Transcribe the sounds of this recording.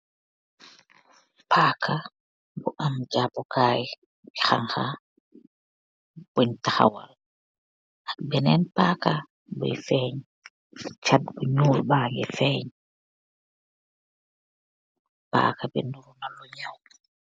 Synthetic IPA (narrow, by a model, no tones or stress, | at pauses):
pʰaːkʰa | bɔʔamd͡ʒabɔkaːji | bɛxaŋxa | b̥ɔɲtaxa̰wal | ʔabɛnɛnpaːka | bɔ̰jfɛːɲ | t͡ʃadbuɲuːlbaːjɛ̰fɛːɲ | pa̰ːkabɛ̰nduɾunalɔɲaw